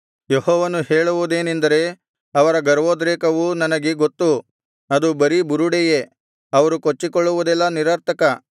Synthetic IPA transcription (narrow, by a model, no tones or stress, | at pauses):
jeɦɔːʋɐnuɦeːɭuʋud̪eːnend̪ɐɾe̞ | ɐʋɐɾɐɡɐɾɐʋoːd̪ɾeːkɐʋunɐnɐɡeɡot̪ːu | ɐd̪ubɐɾibuɾuɽɛje̞ | ɐʋɐɾukot͡ʃːikoɭːuʋud̪ɛlːɐniɾɐːɾt̪ɐkɐ